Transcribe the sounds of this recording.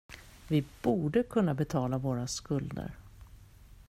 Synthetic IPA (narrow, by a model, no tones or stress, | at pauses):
vɪb̥uːɖəkʰɵnːabɛt̪ʰɑːlavoːɾaskɵld̪ə̰ɾ